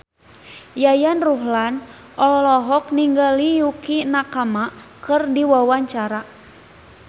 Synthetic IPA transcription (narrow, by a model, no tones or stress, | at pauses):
jajanruɦlan | ʔɔlɔɦɔk̚niŋɡalijukinakama | kɨrdiwawaɲt͡ʃaɾa